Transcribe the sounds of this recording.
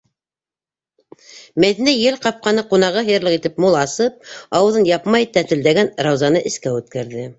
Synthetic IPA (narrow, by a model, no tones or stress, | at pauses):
mæðinæjɘlqɑp̚qɑnɤqun̪ɑʁɤɦɤ̆jɤ̆ɾlˠɤ̆qit̪ɘpmulˠɑsɤp̚ɑwɤ̆ðɤnjɑpmɑjt̪æt̪ɘ̆ld̪æɡænɾɑwzɑnɤʔɘ̆skæʉt̪kæɾðɘ